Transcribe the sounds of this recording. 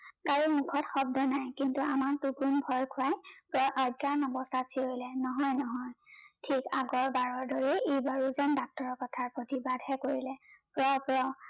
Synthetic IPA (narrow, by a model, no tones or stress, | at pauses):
kaɹɔmukʰɔtxɔb̚dɔnajkintua̰maɹtuɡunbʱɔjkʰʊajpɹɔʔaɡaɹnɔbɔstasʰiojlɛnɔɦɔjnɔɦɔjtʰikaɡɔɹbaɹɔɹdoɹiejbaɹuzandak̚tɔɹɔɹkɔtʰaɹpɹotibadʱhɛkoɹilɛpɹɔpɹɔ